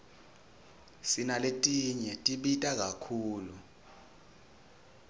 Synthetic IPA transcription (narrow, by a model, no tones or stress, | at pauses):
sinaletʼiɲɛtʼiɓitʼak̬akʰuːlu